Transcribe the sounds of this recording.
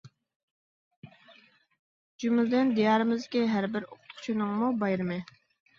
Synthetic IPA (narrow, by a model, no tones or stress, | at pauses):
d͡ʒumɪld̪ɪnd̪ijɑːɾɨmɪzkʲiɦæɾbɪɾoqʰʊt̪ʰʊ̥t͡ʃʰinɨŋmubɑjɾɨmɪ